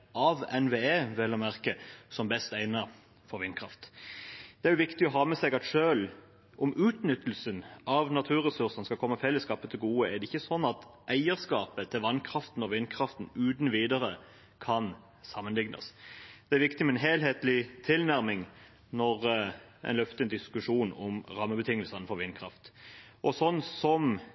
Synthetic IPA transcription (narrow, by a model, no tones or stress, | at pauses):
ʔɑʋɛnʋeːeːʋeːlɑmæʁkəsɔmbɛst̪æɪnɑ | fɔɾʋɪnkʰɾɑft̪d̪̥ɛæɾjʊʋɪkt̪ɪɔɦɑːmɛsɛɡɑt̪ʃøːl | ʔɔmʔʉːt̪nʏt̪ːəl̩sənɑʋnɑt̪ʰʉːʁɛsʉʁsənskɑlkʰɔmːəfɛlːəskɑːpət̪ʰɪlɡuːəæd̪ɛɪçːəsɔnːɑt̪ʔæɪəɾskɑːpət̪ʰɪlʋɑnkʰɾɑft̪nɔʋɪnːkʰɾɑft̪n̩ʉːd̪nʋiːd̪əɾə | kʰɑn | sɑmːənlɪɡnə̰sd̪̥ɛæɾʋɪkt̪ɪmɛnɦeːlɦeːt̪lɪt̪ʰɪlnæɾmɪŋ | nɔʁʔɛ̰nlœft̪ənd̪ɪskʉʂuːnɔmɾɑmːəbət̪ʰɪŋːəlsɑɪnfɔɾʋɪnːkʰɾɑ̰ft̪ʔɔsɔnːsɔm